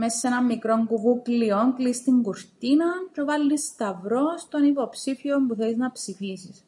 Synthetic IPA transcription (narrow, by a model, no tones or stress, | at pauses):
mesɐsenɐmːikɾo̞ŋɡuvuklio̞ŋklist̪iŋɡuɾt̪inɐcevɐlːist̪ɐvɾo̞st̪o̞nipo̞psifio̞mpuθeliznɐpsifisis